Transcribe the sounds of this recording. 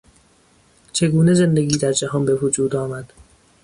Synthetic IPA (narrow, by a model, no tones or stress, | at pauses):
t͡ʃʰe̞ɡuːne̞ze̞nd̪eɡʲiːd̪æɾd͡ʒæhɒnbevod͡ʒuːd̪ɒːmæd̪̥